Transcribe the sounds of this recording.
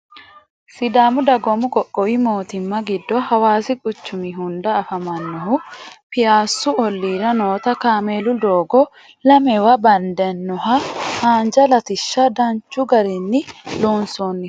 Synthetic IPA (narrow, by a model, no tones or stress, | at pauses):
sɪd̪aːmʊd̪ɐɡɔmʊɡʼɔkʼːɔwimoːt̪ɪmːɐɡɪd̪ːɔhɐwaːsɪkʼʊt͡ʃːʊmɪɦʊnd̪ɐːfɐmɐnːɔhʊpɪjaːsːʊɔlːiːɾɐnoːt̪ɐkaːmelʊd̪oːɡɔ | lɐmɛwɐbɐnd̪ɛnːɔɦɐhaːnd͡ʒɐlɐt̪ɪʃːɐd̪ɐnt͡ʃːʊɡɐɾɪnːɪloːnsoːnːɪ